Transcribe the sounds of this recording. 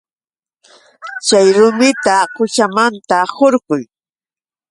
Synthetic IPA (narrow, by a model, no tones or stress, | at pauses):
t͡ʃajɾʊmɪt̪aqʊʃamant̪ahoɾɢʊj